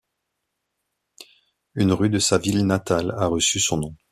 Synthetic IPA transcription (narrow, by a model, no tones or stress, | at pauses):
ynʁyd̪əsavilnat̪alaʁəsysɔ̃nɔ̃